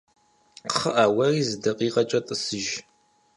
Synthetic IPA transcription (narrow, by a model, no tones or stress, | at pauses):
qχəʔaːwɐriːzɨdɐqʼiːqʼɐt͡ʃʼɐtʼəsɨʒ